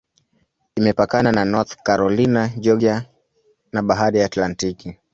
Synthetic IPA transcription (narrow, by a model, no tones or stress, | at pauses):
imɛpakanananɔθkaɾɔlinaʄɔʄa | naɓaɦaɾiatlantiki